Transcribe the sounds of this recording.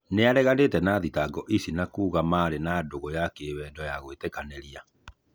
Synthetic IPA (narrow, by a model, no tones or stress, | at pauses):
neaɾɛɣanetɛnaðitaɡɔʔisinakuːɣamaɾenadoɣɔjakeβɛndɔjaɣwetɛkaneɾia